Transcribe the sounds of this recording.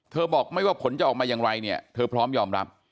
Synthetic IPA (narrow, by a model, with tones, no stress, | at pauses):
t̪ʰɤː˧bɔː˨˩k̚ma˥˩jwaː˥˩pʰo˩˦nt͡ɕa˨˩ʔɔː˨˩maː˧jaː˨˩ŋɾa˧jni˥˩ɐt̪ʰɤː˧pʰɾɔː˦˥mjɔː˧mɾa̰˦˥p̚